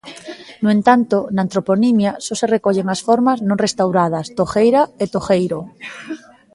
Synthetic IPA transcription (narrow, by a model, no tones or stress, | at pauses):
noẽnt̪ant̪onant̪ɾoponimjasoserekoʎeŋasfoɾmaznõnrest̪awɾað̞ast̪oxejɾaet̪oxejɾo